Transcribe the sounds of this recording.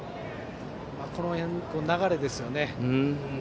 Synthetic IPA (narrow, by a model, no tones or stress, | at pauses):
mako̞no̞hẽkonaɡaɾe̞d̪e̞sɨjo̞ne̞